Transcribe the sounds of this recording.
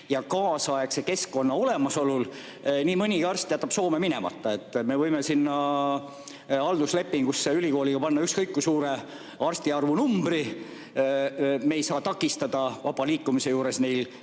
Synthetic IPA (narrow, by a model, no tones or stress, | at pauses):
jɑkɑːsɑekse̞ke̞skːo̞nːɑo̞le̞mɑso̞lul | niːmɤnʲiɑrst̪jɑt̪ːɑpso̞ːme̞mine̞̰mɑ̰t̪ːˑɑe̞t̪ːˑme̞vɤjmesinːɑ | ɑld̪usle̞pːiŋɡ̥usːeylʲiko̞ːliɡ̥ɑpɑnːɑykskɤjkːusuːɾe̞ | ɑrst̪iɑrvunumbri | meːjsɑːt̪ɑkːˑist̪ɑd̪̥ɑvɑb̥ɑliːkːumise̞juːɾe̞sne̞jl